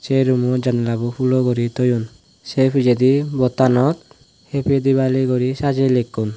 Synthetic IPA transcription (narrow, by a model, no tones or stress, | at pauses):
t͡ʃeɾumɔd͡ʒanlabupʰulɔɡɔɾit̪ɔjun | sepʰid͡ʒed̪ibɔt̪anɔt̪̚ | hepʰed̪iβaliɡɔɾisad͡ʒelekːun